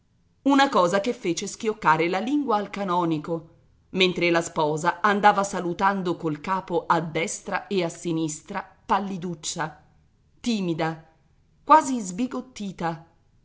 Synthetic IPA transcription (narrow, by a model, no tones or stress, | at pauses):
unakɔːzakefːeːt͡ʃesk̟jokːaːɾelaliŋɡwaːlkanɔːniko | ment̪ɾelaspɔːzaand̪aːvasalut̪and̪okolkaːpoʔad̪ːɛst̪ɾaeasːinist̪ɾa | palːid̪ut͡ʃːa | t̪iːmid̪a | kwaːzizbiɡot̪ːiːt̪a